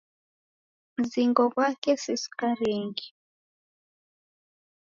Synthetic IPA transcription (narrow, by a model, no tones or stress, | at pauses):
m̩ziŋɡɔβwakɛsisi̥kaɾɛŋɡi